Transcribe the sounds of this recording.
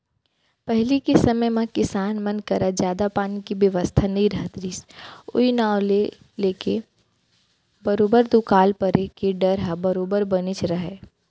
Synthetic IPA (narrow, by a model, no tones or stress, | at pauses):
pɛɦlikesɐməjmãkɪsaːnmɐ̃nkɐɾad͡ʒjaːd̪apaːnikibjəʋəst̪ʰanɐɦĩɾɐɦət̪ɾiːsʊ̰inaːwle | leːke | bəɾoːbəɾd̪ʊkaːlpəɾekeɖɐɾɦabɐɾoːbəɾbɐnit͡ʃʰɾɐɦeː